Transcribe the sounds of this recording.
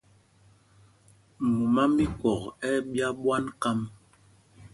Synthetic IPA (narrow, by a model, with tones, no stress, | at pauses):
mu˨ma˦mbi˦kɔ˨kɛ˦ɓja˦ɓwa˦nka˦m